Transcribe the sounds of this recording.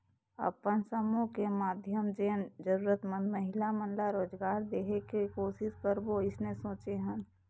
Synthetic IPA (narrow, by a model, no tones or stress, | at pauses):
ə̰pənsəmukemaːd̪ʱjəmd͡ʒeːnd͡ʒəɾuːɾət̪mə̃nd̪məɦɪlamənlaɾoːd͡ʒɡaːɾd̪eːɦekikoːsɪskəɾboɪsnesõːt͡ʃeɦən